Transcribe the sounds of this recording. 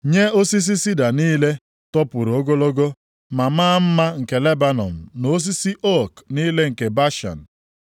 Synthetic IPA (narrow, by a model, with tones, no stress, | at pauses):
ɲe˦o˦si˦s̬i˦si˦da˨niː˦le˦ | tɔ˦pʊ˨ɾo˦ɡo˦lo˦ɡo˦ | ma˨maː˦m̩˦ma˦ŋ̩˨ke˨le˦ba˦nɔ̰˨m̩˨no˨o˦s̬i˦si˦ʔɔ˦kniː˦le˦ŋ̩˨ke˨ba˦ʃa̰˨n̩˨